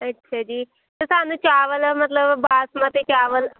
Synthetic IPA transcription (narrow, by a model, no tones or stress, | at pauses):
ətːɕʰad͡ʒiː | t̪əsanut͡ɕaʋəlmət̪ləbbasmat̪et͡ɕaʋəl